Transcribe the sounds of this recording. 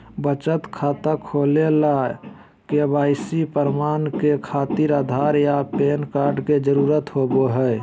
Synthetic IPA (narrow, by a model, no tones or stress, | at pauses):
bət͡ʃət̪kʰaːt̪akʰoːlela | kebaːɪsipəɾmaːnkekʰaːt̪iɾaːd̪ʱaːɾjapeːnkaːɾɖked͡ʒəɾuːɾət̪ɦoːboɦɛ